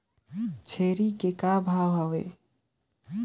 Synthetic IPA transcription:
t͡ʃʰeɾikekabʱaʋɦəʋḛ

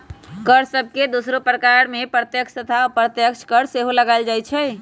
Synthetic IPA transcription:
kəɾsəb̚ʱked̪osɾopɾəkaɾmepɾət̪jəkʃʰt̪ət̪ʰapɾət̪jəkʃʰkəɾseɦoləɡaɪld͡ʒajt͡ʃʰɛ

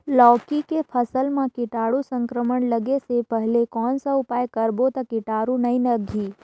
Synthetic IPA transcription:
lɔːkikepʰəsəlmãkɪʈaːɽusə̃ŋkɾəməɳləɡesepəɦlekɔːnsaʊpaːjkəɾbot̪ɐkɪʈaːɾunɐĩnəɡʱiː

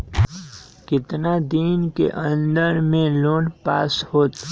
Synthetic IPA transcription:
kɪt̪nad̪iːnkḛʔə̃nd̪əɾmẽloːnpaːshoːt̪

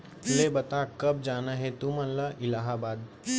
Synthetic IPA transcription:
leːbɐt̪aːkɐb̚d͡ʒaːnaɦẽt̪umɐnlaʔɪlaːɦaːbaːd̪

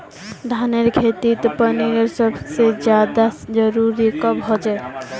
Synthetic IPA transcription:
d̪ʱaneɾkʰet̪it̪ɔpəniɾeɾsəbsed͡ʒjad̪ad͡ʒəɾuɾikɔbɦɔd͡ʒɛ

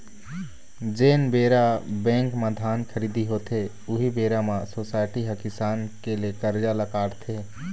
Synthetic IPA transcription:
d͡ʒeːnbeːɾabɛ̃ːŋkmãd̪ʱaːnkʰəɾiːd̪ʱiɦoːt̪e | ʊɦibeːɾamãsoːsaːɪʈiɦəkɪsaːnkelekəɾd͡ʒaləkaːɽt̪ʰeː

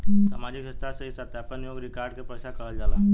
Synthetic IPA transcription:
sa̰ːmaːd͡ʒikɦəst̪asəɦisat̪aap̚kanijoːɡɾɪkaːɾɖkepɾəʃakəɾəld͡ʒaːla̰ː

